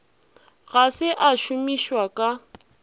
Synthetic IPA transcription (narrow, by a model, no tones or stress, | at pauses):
ɣasɪʔaʃʊmiʃwakʼa